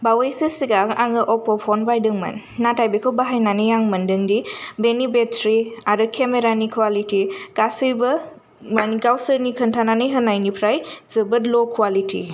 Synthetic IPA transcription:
bawejsɯsiɡaaŋɯʔɔpɔpʰɔnbajdɯŋmɐ̰nːatajbekʰɯwbaɦajnanɯjaŋmɐndɯŋdibenibetʰɾiaɾɯkʰemeɾanikʰwalitikasɯjbɐ | maniɡawsəɾnikʰɐntʰananɯjɦɯnajnipʰɾajz̥ɯbɯtlɔkʰwalitʰḭ

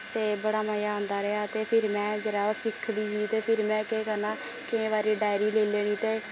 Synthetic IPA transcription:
t̪eːbəɽaːməjaːõːnd̪aːɾɛːaːt̪eːpʰɪɾmɛ̃ːd͡ʒəɾaːsɪkʰːliːɦiːt̪eːpʰɪɾmɛ̃ːkeːkəɾnaː | kɪẽːβaːɾiːɖaːɪɾiːleːleːɽ̃iːt̪eː

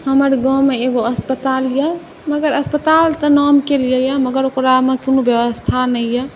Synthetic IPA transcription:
həməɾɡãmeeɡoəspət̪aljɛ | məɡəɾəspət̪alt̪ənɔmkeljəjɛməɡəɾokɾamekinobjəʋəst̪ʰanɛjjɛ

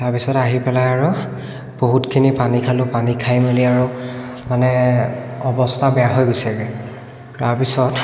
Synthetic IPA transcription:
taɹpisɔtaɦipɛlajaɹʊ | b̥oɦutkʰinipanikʰalʊpanikʰajmeliaɹʊ | manɛ | ɔbɔstʰabɛjaɦojɡojsaɡɛ | taɹpisɔt

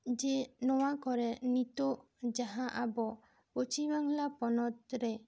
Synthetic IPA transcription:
d͡ʒenɔwakɔɾɛnit̪ɔʔ | d͡ʒaɦãʔabɔ | pot͡ʃibaŋlapɔnɔt̪̚ɾɛ

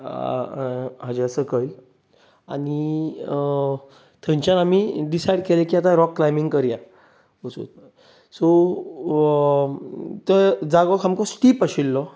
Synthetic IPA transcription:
ɦad͡ʑeəsəkəj | añi | t̪ʰə̃ɲt͡ɕjanamiɖisajɽ̚kelekiːat̪ãɾɔkːlajmiŋɡkəɾja | ot͡sṵt̪̚ | sɔ | t̪əd͡zaɡɔkʰamkɔsʈiːpaɕilːɔ

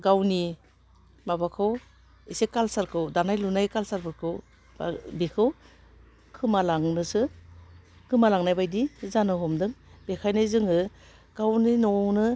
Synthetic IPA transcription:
ɡawni | mabakʰɯw | isekalsaɾkʰɯwdanajlunajkalsaɾpʰɯɾkʰɯw | ba̰bikʰɯw | kʰɯmalaŋnɯsɯ | kɯmalaŋnajbajdizanɯɦɔmdɯŋbekʰajnajzɯŋɯ | ɡ̥awninɔnɯ

